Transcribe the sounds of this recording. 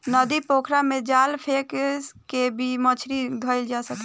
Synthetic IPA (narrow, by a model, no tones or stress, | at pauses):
nəd̪ipokʰɾamed͡ʒalpʰekskebʱimət͡ʃʰɾid̪ʱəɪld͡ʒasək